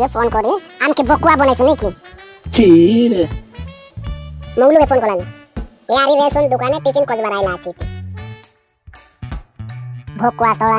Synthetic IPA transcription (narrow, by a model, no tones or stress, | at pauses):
ɡepʰonkɔɾieamkebɔkːuabɔnajsunekitʰi | moɡlukepʰonkɔlali | eaɾiɾesɔnd̪ukanepisinkɔd͡ʒbaɾajlaːt͡ʃʰit̪i | bʱɔkːuast̪ɔla